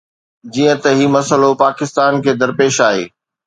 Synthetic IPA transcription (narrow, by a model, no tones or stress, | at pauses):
d͡ʑiːə̃t̪ɐɦimɐsəlopaːkɪst̪aːnkʰeːd̪ɐɾpeːʃaːɦḛː